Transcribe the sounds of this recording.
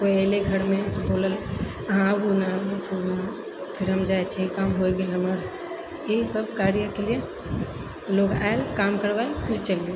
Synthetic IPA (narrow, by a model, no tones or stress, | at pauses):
koeːleɡʱɐɾmẽt̪oboːləl | ɦãbunaʈʰuna | pʰɪɾɦɐmd͡ʒaːet͡ʃʰeikaːmɦoeɡelɐməɾ | eisəbkaːɾijakelie | loːɡa̰ːelkaːmkəɾʋaːepʰɪɾt͡ʃəlie